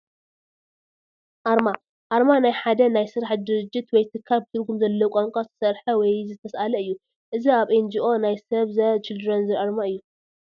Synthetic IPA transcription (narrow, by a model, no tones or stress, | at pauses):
ʔaɾma | ʔaɾmanajħad̪ɐnajsɨɾaħd̪ɨɾɨd͡ʒːɪt̪wɔjt̪ʰɨkʰːalbɨt̪ʰɨɾɡumzɐlːɐwukʷʼoŋkʼosɨ̥sɐɾħɐwɔjzɨt̪ʰːɐsʔalɐɨjːu | ʔɨziaβʔend͡ʒiʔo̞najsɐβzɐt͡ʃɪld̪ɨɾonzɨɾʔaɾmaɨjːu